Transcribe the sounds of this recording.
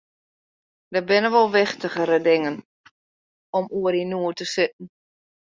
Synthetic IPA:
dəbɪnəʋolˠʋɪxtəɣəɾədɪŋən | ɔmuəɾinuətəsɪt̚n̩

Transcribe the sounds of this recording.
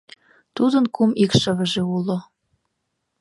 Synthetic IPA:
t̪ud̪ənkumikʃə̆βə̆ʒeulo

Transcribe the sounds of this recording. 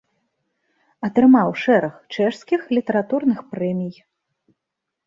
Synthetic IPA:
ɐt̪ɾɨmawʂɛɾɐxt͡ʂɛʂskʲixlʲit̪ɐɾat̪urnɨxpɾɛmʲij

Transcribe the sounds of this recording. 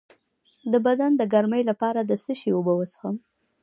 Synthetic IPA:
d̪əbad̪and̪əɡaɾməjlapɑɾad̪əsəʃiwobəwəsxəm

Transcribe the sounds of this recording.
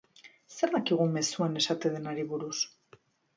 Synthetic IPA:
se̞ɾðakiɣ̞ume̞suane̞sat̪e̞ðenaɾiβuɾus

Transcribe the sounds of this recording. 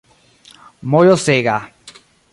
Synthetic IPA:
mojoseɣa

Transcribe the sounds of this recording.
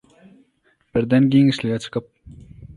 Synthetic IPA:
b̥ɪɾd̪ɛnɡʲeŋɪʃlʲɪɡʲɛt͡ʃʰɨ̥qəp̚

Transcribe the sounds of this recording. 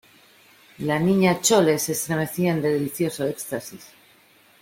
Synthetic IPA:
lanĩɲat͡ʃole̞se̞st̪ɾe̞me̞θiaend̪e̞ðeliθjo̞soe̞kst̪asis

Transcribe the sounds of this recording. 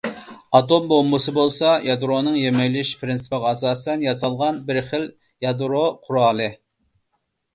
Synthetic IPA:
ɑt̪ombomːʊsɨbolˠsɑjɑd̪ɾonɨŋjemɛjlɪʃpʰɾɪnsɨ̥pʁɑsɑːsɨt̪ɛnjɑsɑlˠʁɑnbɪɾχɪl | jɑd̪ɾoqʰuɾɑːlˠɨ

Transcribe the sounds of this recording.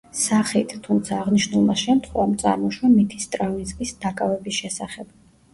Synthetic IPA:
saχit̪ʰt̪ʰumt̪sʰaːʁniʃnulˠmaʃɛmt̪ʰχwɛvamt̪sʼa̰ɾmɔʃwamit̪ʰist̪ʼɾavnizmisd̪akʼavɛbisʃɛsaχɛb̥

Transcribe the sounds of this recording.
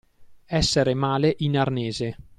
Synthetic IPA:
ɛsːeɾemaːleʔinarneːze

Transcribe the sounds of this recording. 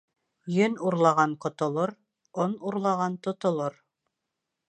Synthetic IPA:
jɵnuɾlˠɑʁɑnqŏt̪ŏlˠoɾ | onuɾlˠɑʁɑnt̪ŏt̪ŏlˠoɾ

